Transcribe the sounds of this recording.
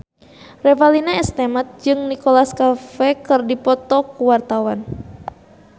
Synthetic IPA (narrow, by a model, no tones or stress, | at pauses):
rɛvalinaɛst̪ɛmat̪̚d͡ʒɨŋnikolaskafɛkɨrdipɔt̪ɔkuwart̪awan